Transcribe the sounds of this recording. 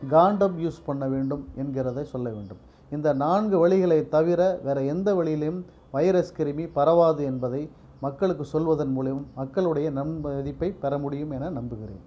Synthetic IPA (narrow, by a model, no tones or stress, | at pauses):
ɡaːɳɖɐmjuːspɐɳːɐʋeːɳɖɯmɛnɡɪɾɐðɐɪsɔlːɐʋḛːɳɖɯm | ɪnd̪ɐnaːnɡɯʋɐɭɪɣɐɭɐɪt̪ːɐʋɪɾɐʋɛːɾɐɛnd̪ɐʋɐɭɪjɪlɐjɯm | ʋɐjɐɾɐskɪɾɯmipɐɾɐʋaːðɯɛnbɐðɐɪ | mɐkːɐɭɯkːɯsɔlʋɐðɐnmuːlɐjɯmːɐkːɐɭɯɽɐjɐnɐmðɪpːɐɪpɛɾɐmʊɽɪjɯmɛnɐnɐmbɯɣɪrḛːn